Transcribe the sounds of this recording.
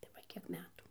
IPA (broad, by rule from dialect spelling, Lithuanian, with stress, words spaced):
tɐɪ ˈʋɐ ˈkʲiɛk ˈmʲæːtuː